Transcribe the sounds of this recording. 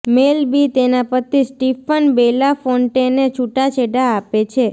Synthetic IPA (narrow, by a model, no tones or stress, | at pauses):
melbit̪enapət̪ʰisʈifənbelafoɳʈenet͡ʃʰuʈat͡ʃʰeɖaːpet͡ʃʰe